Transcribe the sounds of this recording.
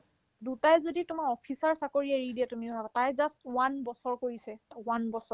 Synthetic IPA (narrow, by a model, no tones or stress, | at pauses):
dutajzoditʊmaɹɔpʰisaɹsakoɹijaɹidiɛtumiʊbʱaɡatajzastwanbɔsɔɹkoɹisɛwanbɔsɔ